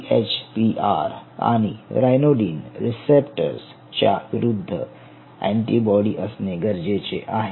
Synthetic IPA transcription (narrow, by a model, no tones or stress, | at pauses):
et͡ɕpiʔaɾa̰ɽ̃iɾajnoɖiːnɾisepʈə̰ɾs | t͡ɕja̰ʋiɾud̪ʱːə̰ | ɛ̰̃ɳʈibɔɽiʔəsneɡəɾd͡ʑet͡ɕḛʔaɦe